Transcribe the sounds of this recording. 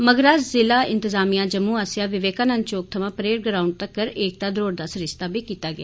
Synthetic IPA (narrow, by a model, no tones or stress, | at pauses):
məɡɾaːd͡ʒzɪlaːɪ̰nt̪ɪzaːmijãːd͡ʒəmũːaːsɪjaːʋɪʋeːkãːnãːnt͡ʃoːk̚t̪ʰəʋãːpəɾeːʈɡɾaːʊɳɖ̚t̪əkːəɾeːk̚d̪aːd̪ɾoːɾd̪aːsɾɪst̪aːbʱiːkiːt̪aːɡɪa̰ː